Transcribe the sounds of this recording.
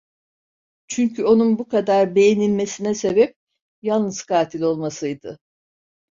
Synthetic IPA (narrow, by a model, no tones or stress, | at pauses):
t͡ʃʰyɲcʰyo̞nunbukad̪aɾbe̞jenilʲme̞sinɛse̞bɛp̚ | jalˠnɯz̥kʰaːt̪ʰilʲo̞lˠmasɯjd̪ɯ